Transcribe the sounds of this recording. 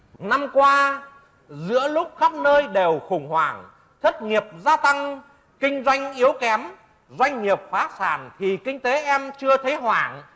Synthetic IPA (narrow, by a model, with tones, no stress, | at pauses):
na˧mkwaː˧ | zɨ̰˧˥əlʊ˦˥k͡p̚xa˦˥p̚nəː˧jɗe˨˩wxʊ˨˩ŋ͡mhwaː˧˩ŋ | t̪ʰə˦˥t̚ŋi˨˩əp̚zaː˧t̪a˧ŋ | kï˧ŋ̟zwa˧jŋ̟ʔi˨˦əwkɛ˨˦m | zwa˧jŋ̟ŋi˨˩əp̚faː˨˦saː˧˩nt̪ʰi˨˩kï˧ŋ̟t̪e˨˦ʔɛ˧mt͡ɕɨ˧ət̪ʰe˨˦ɦwaː˧˩ŋ